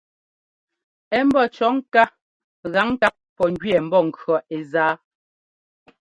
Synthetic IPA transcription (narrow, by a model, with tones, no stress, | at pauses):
ɛ˦m̩˦bɔ˦˨t͡ʃɔ˨˦ŋ̩˦ka˦ | ɣa˨˦ŋ˦ka˦p̚pɔ˨ŋ˦ɡɥɛ˨m̩˦bɔ˦˨ŋ̩˨kɰɔ˨ʔe˨zaː˨˦